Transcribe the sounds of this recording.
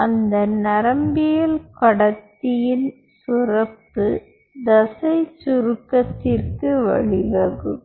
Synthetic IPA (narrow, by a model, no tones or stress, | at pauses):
ɐnd̪ɐnɐɾɐmbɪjɐlkɐɽɐt̪ːɪjɪl | sʊrɐpːɯ | d̪ɐsɐɪt͡ʃʊɾɯkːɐt̪ːɪrkɯʋɐ̰ɻɪʋɐɣɯm